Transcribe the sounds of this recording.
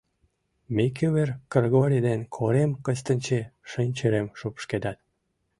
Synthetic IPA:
mekʰyβerkərɣoɾʲid̪enkʰoɾemkət͡ɕt̪ənʲt͡ɕeʃənʲt͡ɕeɾemʃupʃked̪ɑt̪̚

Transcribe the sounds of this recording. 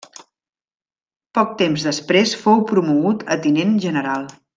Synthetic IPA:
pɔk̚t̪emzðəspɾesfowpɾumuɣut̪ʰət̪inenʒənəɾalˠ

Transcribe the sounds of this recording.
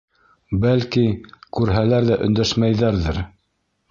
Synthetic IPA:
bælkikʉɾɦælæɾðæʔɵ̆nd̪æʃmæjðæɾðɘɾ

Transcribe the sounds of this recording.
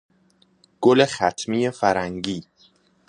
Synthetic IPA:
ɡ̥olexæt̪ʰmiːjefæɾæŋɟiː

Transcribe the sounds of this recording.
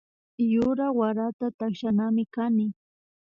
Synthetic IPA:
jʊɾawaɾat̪at̪akʃanamɪkanɪ

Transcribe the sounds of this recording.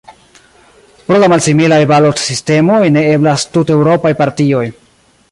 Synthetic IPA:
pɾolamalsimilajbalotsiste̞mojne̞e̞blastutewɾo̞pajpaɾtio̞j

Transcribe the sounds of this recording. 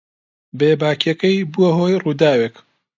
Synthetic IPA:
beːbaːkekɐjbuɐɦoːjruːd̪aːweːk

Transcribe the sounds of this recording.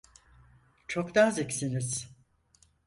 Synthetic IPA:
t͡ʃʰokd̪aːzicsiniz̥

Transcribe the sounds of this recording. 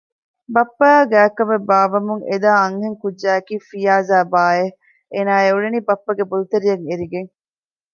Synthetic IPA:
bɐpːɐaːɡæːkɐmebːaːʋɐmuŋed̪aːɐŋɦeŋkudd͡ʒæːkiːfijaːzaːbaːe | eːnaːeuɭeniːbɐpːɐɡebulut̪ɐɾijɐŋeɾiɡeŋ

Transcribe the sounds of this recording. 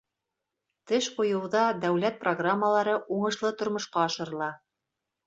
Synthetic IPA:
t̪ɘʃqujɤ̆wðɑd̪æwlæt̪̚proɡramːəlˠɑɾɤʔuɴɤ̆ʃlˠɤt̪ŏɾmŏʃqɑːʃɤ̆ɾɤ̆lˠɑ

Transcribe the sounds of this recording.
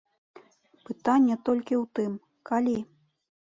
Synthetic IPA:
pɨt̪anʲːɛt̪ɔlʲkʲiwt̪ɨm | kalʲi

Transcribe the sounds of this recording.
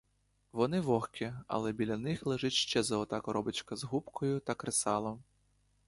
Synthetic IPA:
ʋɔnɪʋɔxkʲʰiɐ̰lˠɛbʲilʲɐnɪxlˠɛʒɛtʲʃt͡ʃɛzɐɔt̪akɔɾɔbɪt͡ʃkɐzɦupkʰɔjʊt̪ɐkɾesɑlˠɔm

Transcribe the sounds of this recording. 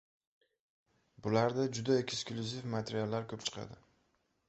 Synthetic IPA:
bʊlaɾd̪ad͡ʒʊd̪aekʲsklʲʊzifmat̪ʰeɾijalːaɾkʰɵpt͡ʃʰɨ̥qʰɑ̰d̪ɪ

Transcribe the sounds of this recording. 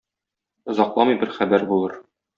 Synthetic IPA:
ŏzɑqlˠɑmɤjbɘɾχæbæɾbulˠɤɾ

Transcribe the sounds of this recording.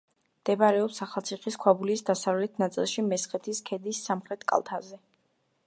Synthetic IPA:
md̪̥ɛbaɾɛɔpsaχalˠt̪sʰiχiskʰwabulisd̪asavlɛt̪ʰnat̪sʼḭlˠʃimɛsχɛt̪ʰiskʰɛd̪isːamχɾɛt̪ʰkʼa̰lˠt̪ʰazɛ

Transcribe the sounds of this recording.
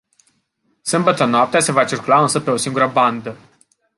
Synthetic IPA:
sɨmbət̪ənoap̚t̪ease̞vat͡ʃirkulaɨnsəpe̞o̞siŋɡuɾəband̪ə

